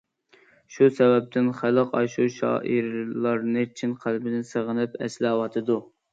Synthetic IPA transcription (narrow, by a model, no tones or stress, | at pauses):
ʃusɛwɛp̚t̪ʰɪnχæləqɑ̰ʃuʃɑ̰ːʔiɾlˠɑɾnɨt͡ʃʰinqʰælbɪnɪnsəʁənɪpɛ̰slɪɑwɑt̪ʰɨd̪u